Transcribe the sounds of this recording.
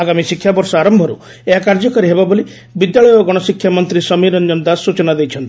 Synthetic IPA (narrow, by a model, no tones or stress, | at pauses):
aɡamisikʰːjabɔɾsɔaɾɔmbʱɔɾṵ | eɦakaɾd͡ʒɔkɔɾiɦebaboli | bid̪jaɭɔjɔɡɔɽ̃ɔsikʰːjamɔnt̪ɾisɔmiɾɔnd͡ʒɔnd̪asːut͡ʃɔnad̪ejt͡ʃʰɔnt̪i̥